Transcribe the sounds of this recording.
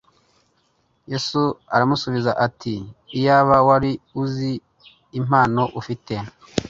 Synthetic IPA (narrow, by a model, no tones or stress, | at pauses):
jesuaɾamusuβizaʔatiːjaːβawaɾiuziː | m̥aːno̞ʔufite